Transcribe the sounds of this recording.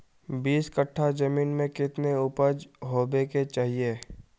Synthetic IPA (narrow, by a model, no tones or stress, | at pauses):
biːskəʈʰːad͡ʒɐmiːnmẽkɪt̪neʊpəd͡ʒɦoːbeːket͡ʃaːɦieː